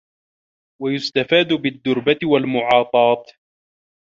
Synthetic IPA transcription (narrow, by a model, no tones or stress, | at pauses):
wajʊst̪afaːd̪bɪd̪ːʊɾbat̪ɪwalmʊʕɑːt̪ˤɑːt̪